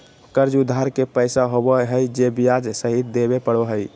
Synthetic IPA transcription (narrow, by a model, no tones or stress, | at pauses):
kəɾd͡ʒud̪ʱːaɾkepəjsaɦobəɦəjd͡ʒebijad͡ʒsəɦit̪d̪ebepəɽoɦəj